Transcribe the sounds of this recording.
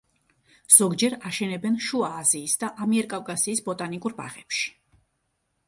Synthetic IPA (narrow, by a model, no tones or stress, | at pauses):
z̥ɔɡd͡ʒɛɾaʃɛnɛbɛnʃuaːziːsd̪aʔamiɛɾkʼavkʼasiːsbɔt̪ʼanikʼuɾba̰ʁɛpʃi̥